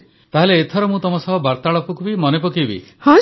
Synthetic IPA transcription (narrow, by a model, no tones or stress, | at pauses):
t̪aɦeleːt̪ʰɔɾɔmũt̪ɔmɔsɔɦɔbaɾt̪aɭɔpukubimɔnep̬ɔkibḭhɔ̃